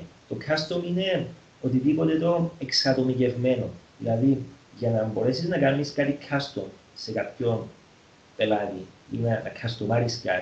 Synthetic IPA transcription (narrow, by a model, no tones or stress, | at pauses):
t̪o̞kʰast̪omine̞ | o̞t̪iðipo̞t̪e̞t̪o̞e̞ksɐt̪o̞mice̞vme̞no̞ðilɐði | ʝɐnɐmbo̞ɾe̞siznɐkɐmːiskat̪ikʰast̪om | se̞kapço̞n | pe̞lɐt̪iḭnɐnɐkʰɐst̪omaɾiska̰t̪i